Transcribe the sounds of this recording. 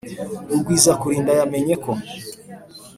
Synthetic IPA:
uɾɡwiːzakuɾiːndajame̞ɲe̞ko̞

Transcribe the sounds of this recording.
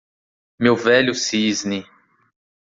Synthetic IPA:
mewvɛʎʊsizni

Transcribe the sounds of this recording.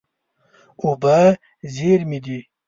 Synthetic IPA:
uba | zeɾmid̪i

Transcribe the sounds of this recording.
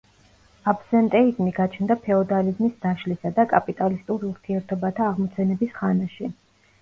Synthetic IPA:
apʰsɛnt̪ʼɛizmiɡat͡ʃʰnd̪apʰɛɔd̪alizmisd̪̥aʃlisad̪akʼapʼit̪ʼalist̪ʼuɾiuɾt̪ʰiɛɾt̪ʰɔbat̪ʰaːʁmɔt̪sʰɛnɛbisχanaʃi

